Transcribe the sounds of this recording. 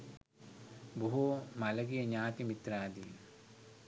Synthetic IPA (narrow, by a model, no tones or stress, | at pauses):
buɦoːmɐlɐɡijɐɲaːt̪imit̪ɾaːd̪i